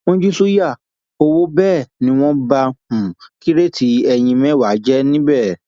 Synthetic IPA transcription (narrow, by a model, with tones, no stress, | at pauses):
õ˦d͡ʒu˦su˦ja˦˨ | o˧wo˦bɛː˦˨nĩ˦w̃ɔ̃˦ba˧hũ˨ki˦ɾe˦tʰi˨˦ɛ˧j̃ĩ˧mɛ̃˦˨wa˨˦d͡ʒɛ˦nĩ˦bɛ˦˨